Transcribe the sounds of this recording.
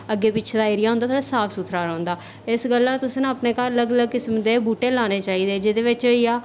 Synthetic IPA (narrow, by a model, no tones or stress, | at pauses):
əɡːeːpɪːʃʰed̪aːeːɾɪjaːɦʊnd̪at̪ʰoːɽaːsaːpʰsʊt̪ʰɾaːɾãːnd̪aː | ɪsɡəlːãːt̪ʊsnãəpneːkaːɾələɡələɡ̚kɪsmd̪eːbuːʈeːlaːneːt͡ʃaːiːd̪eːd͡ʒɪd̪eːʋɪt͡ʃijaː